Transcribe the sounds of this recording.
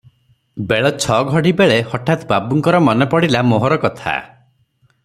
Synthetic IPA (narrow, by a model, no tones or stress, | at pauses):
beɭɔt͡ʃʰɔɡʱɔɽibeɭehɔʈʰat̪babuŋkɔɾɔmɔnepɔɽilamoɦɔɾɔkɔt̪ʰa̰